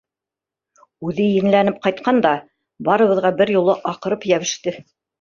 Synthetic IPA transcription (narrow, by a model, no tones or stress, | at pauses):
ʉðɘjɘ̆nlænɘp̚qɑjt̪̚qɑnd̪ɑ | bɑɾɤ̆βɤ̆ðʁɑbɘɾjulˠɤʔɑqɤ̆ɾɤpjæβɘ̆ʃt̪ɘ